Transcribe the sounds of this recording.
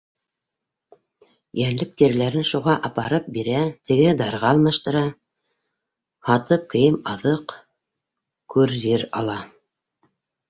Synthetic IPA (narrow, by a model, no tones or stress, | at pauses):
jænlɘk̚t̪iɾlæɾɘnʃuʁɑʔɑpɑɾɤp̚biɾæt̪ʰɘ̆ɡɘd̪ɑɾʁɑɑlˠmɑʃt̪ɤ̆ɾɑ | hɑt̪ɤp̚kɤ̆jɤmɑðɤq | kʉɾːɘɾɑ̰lˠɑ